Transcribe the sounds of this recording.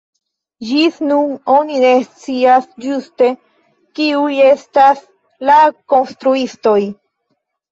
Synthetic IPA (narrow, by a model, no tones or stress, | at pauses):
d͡ʒisnuno̞nine̞st͡siasd͡ʒuste̞ | kiuje̞stas | lako̞nst̪ɾuisto̞j